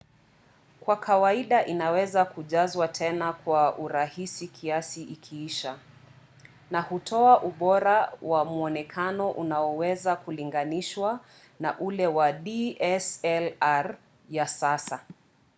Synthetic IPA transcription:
kwakʰawaiɗaʔinawɛzakuʄazwatʰɛnakwaʔuɾahisikʰiasiʔikʰiiʃa | nahutʰɔaʔuɓɔɾawamuɔnɛkʰanɔʔunaɔwɛzakuliŋɡaniʃwa | naʔulɛwaɗiɛsɛlaɾ | jasasa

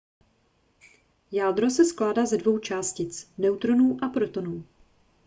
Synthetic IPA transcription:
jaːdɾo̞sɛsklaːdaːzɛdvo̞wt͡ʃaːscɪt͡snɛwt̪ɾo̞nuːʔapɾot̪o̞nuː

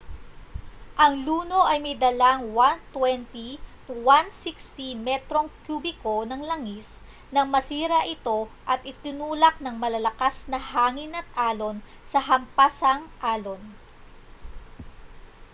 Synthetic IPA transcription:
ʔɐŋluːno̞ʔɐjmɐjd̪ɐlaŋwant̪wɛnt̪i | wansikst̪imɛt̪ɾo̞ŋkjubɪko̞nɐŋlɐŋis | nɐŋmɐsiːɾɐʔɪt̪o̞ʔɐt̪̚ʔɪt̪ɪnuːlɐk̚nɐŋmɐlɐlɐkasnɐhaːŋɪnɐt̪̚ʔaːlo̞n | sɐɦɐmpasɐŋʔaːlo̞n

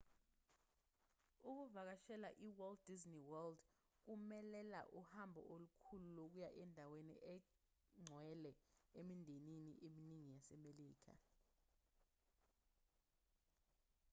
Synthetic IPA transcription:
uk̬uvak̬aʃɛlaʔiwɛld̚dizniwɛld | k̬umɛlɛla̰ʔuhambʱɔ̰ʔolukʰululok̬ujaʔɛndʱaweniʔɛ | ŋ͡ǀʱwɛlɛemindʱeninḭʔeminiŋijasɛmeliːk̬ʰa̰

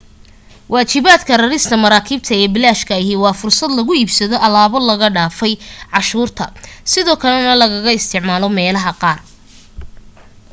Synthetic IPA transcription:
wʔɑːt͡ʃɪβaːd̪kʰɐrɐɾɪst̪ʰɐmɐɾaːkʰiːb̚t̪ʰɐɛːbɪlaːʃkʰɐɐɦɪwɑːfʊrsɐd̪lɐɣʊiːbsɐðɔʔɐlaːβɔlɐɣɐɖaːfɛjʕɑʃuːrt̪ʰɐsɪðɔːkʰɐlɛnɐlɐɣɐɣɐɪst̪ʰɪʕmaːlɔmɛːlɐɦɐqɑːr

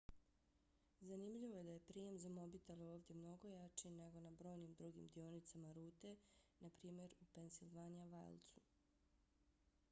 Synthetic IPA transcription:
zanimʎiʋo̞je̞d̪aje̞pɾiːje̞mzamo̞bit̪eleoːʋd̪ʲje̞mno̞ɡo̞jat͡ʃine̞ɡo̞nabɾo̞ːjnimd̪ɾuɡḭmd̪io̞nit̪samaɾuːt̪e̞napɾiːmje̞ɾupe̞nsilˠʋanaʋa̰lˠt̪su

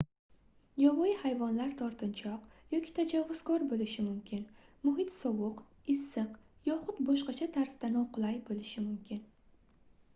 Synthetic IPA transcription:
jɒvɒihajvɒnlaɾt̪ʰɒɾt̪ʰɪnt͡ʃʰɒqjɒkʲi̥t̪ʰad͡ʒavːʊz̥kʰɒɾbolɪʃɪmʊmkʲʰɪnmʊɦɪt̪sɒwʊq | ɪsːɨqjɒχʊt̪bɒʃqɑt͡ʃʰat̪ʰaɾsd̪anɒqʊlˠajbolɪʃɪmʊmkʲʰɪn

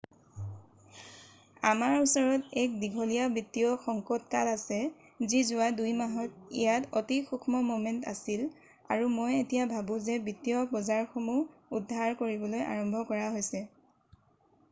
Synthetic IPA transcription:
amaɹusɔɹɔtɛk̚diɡʱɔlijabitijɔxɔŋkɔtkalasɛ | zizʊadujmaɦɔtḭjatotixukʰmɔmomɛnta̰sil | a̰ɹumojetijabʱabʊ̃zɛbitijɔbɔzaɹxomuudʱːaɹkoɹibɔloja̰ɹɔmbʱɔkɔɹaɦojsɛ

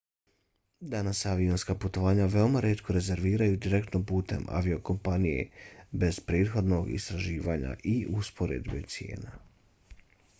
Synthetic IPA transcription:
d̪anasaʋionskaput̪o̞ʋaːɲaʋe̞omaɾeːt̪kʰo̞ɾe̞ze̞ɾʋiːɾajud̪iɾe̞kt̪no̞puːt̪e̞̰ma̰ʋio̞ko̞mpanije̞̰be̞zpɾeːt̪xo̞d̪no̞ɡḭst̪ɾaʒiːʋaːɲa̰ʔiʔuspo̞ɾḛd̪bet̪sije̞̰ːna

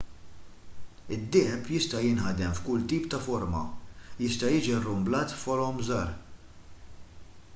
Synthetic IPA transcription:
ɪd̪ːɪːħɛpjɪst̪ɐjɪnħɐd̪ɛmfkʊlt̪iːpt̪ɐfɔɾmɐ̰jɪst̪ɐjɪːd͡ʒirːʊmblɐːt̪fɔɾɔmzɐːɾ

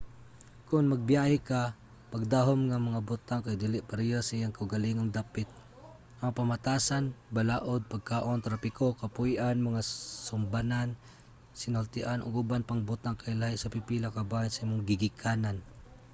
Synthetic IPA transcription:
kʊnmaɡ̚bjahɪka | paɡ̚d̪aɦomŋamaŋabʊt̪aŋkajd̪ilɪʔpaɾijosaʔijaŋkaʊɡaliŋoŋd̪apɪt̪̚ | ʔaŋpamat̪asanbalaːʔod̪̚paɡ̚kaːʔont̪ɾapɪkokapʊjʔanmaŋasʊmbanan | sɪnʊlt̪ɪʔanʔo̰ɡubanpaŋbʊt̪aŋkajlahisapipilakabainsaimʊŋɡɪɡɪkʰanan

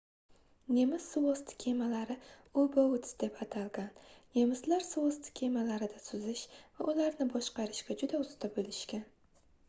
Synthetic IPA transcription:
ne̞mɪz̥sʊwost̪ʰɪ̥kʲʰe̞malaɾɪ | obaʊt̪d̪̥epʰat̪ʰalˠɡʲanne̞mɪzlaɾsʊwost̪ʰɪ̥kʲʰe̞malaɾɪd̪asʊzɪʃvaʔʊlaɾnɪbɒʃqɑɾɪʃɡʲad͡ʒʊd̪aʊst̪ʰabɪlɪʃkʲan

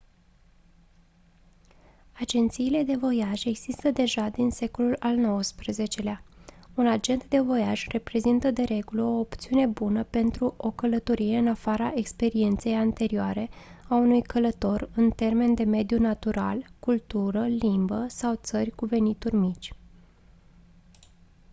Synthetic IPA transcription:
ad͡ʒe̞nt̪siːle̞d̪e̞vo̞jaʒe̞ɡz̥ist̪əd̪e̞ʒad̪inse̞ko̞lulalno̞wəspɾəze̞t͡ʃe̞leaunad͡ʒe̞nt̪d̪e̞vo̞jaʒre̞pɾe̞zint̪əd̪e̞ɾe̞ɡuləo̞ːpt̪siune̞bunəpe̞nt̪ɾuʔo̞kələt̪o̞ɾie̞ɨnafaɾaʔe̞kspe̞ɾie̞nt̪sejant̪e̞ɾioaɾe̞aunujkələt̪o̞rɨnt̪e̞rme̞nd̪e̞me̞d̪junat̪uɾa̰lkult̪uɾəlimbəsawt̪sərʲkuve̞nit̪urʲmit͡ʃʲ

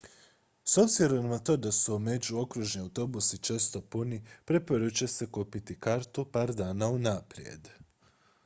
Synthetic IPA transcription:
so̞bziɾo̞nmnat̪o̞ːd̪asume̞d͡ʒuo̞kɾuʒniawt̪o̞busit͡ʃe̞ːst̪o̞punipɾe̞po̞ɾut͡ʃese̞kopit̪ikaɾt̪upaːɾd̪aːnaunapɾjḛd̪

